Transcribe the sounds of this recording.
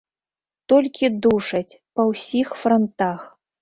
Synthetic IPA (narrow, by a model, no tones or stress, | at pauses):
t̪ɔlʲkʲid̪uʂɐt͡sʲpɐwsʲixfɾɔnt̪ax